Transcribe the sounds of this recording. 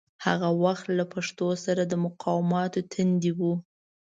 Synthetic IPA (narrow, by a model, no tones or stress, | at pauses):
ha̰ɣawaxt̪lapaʂt̪osaɾad̪əmʊqɑwɪmɑt̪ot̪ʰand̪iwu